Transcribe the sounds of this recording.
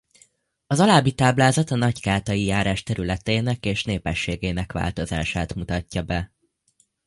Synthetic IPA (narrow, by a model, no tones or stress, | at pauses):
ɒzɒlaːbit̪aːblaːzɒt̪ɒnɒɟkaːt̪ɒjijaːɾaːʃt̪ɛɾylɛt̪eːnɛkeːʃneːpɛʃːeːɡeːnɛkʋa̰ːlt̪o̞za̰ːʃaːt̪mut̪ɒcːɒbɛ